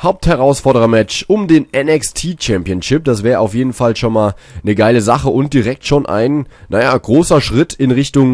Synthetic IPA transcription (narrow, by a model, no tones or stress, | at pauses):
haʊp̚thɛʁ̞aʊsfɔɐɾəʁɐmɛt͡ʃʔʊmdeːnʔɛnɛkstʰiːt͡ʃɛmpjənʃɪp̚d̥asv̥ɛːʁəʔaʊfjeːdn̩falʃonmaːl | nəɡaɪləzaχəʔʊnt̚d̥iʁɛk̚tʃoːnʔa̰ɪnnajaːɡ̥ʁoːsɐʃʁ̥ɪtʰɪnʁɪçtʊŋ